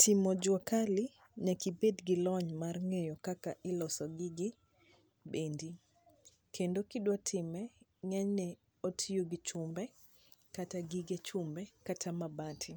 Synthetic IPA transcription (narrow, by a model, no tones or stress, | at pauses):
tʰɪmɔd͡ʒwakalɪ | ɲakibedɡɪlɔɲmarŋejɔkakaʔɪlɔsɔɡɪɡɪ | bendi | kʰendokɪdwatʰɪmɛ | ŋaɲnɛ | otʰijoɡɪt͡ʃʊmbɛ | kataɡiɡet͡ʃʊmbɛkatʰamabatʰɪ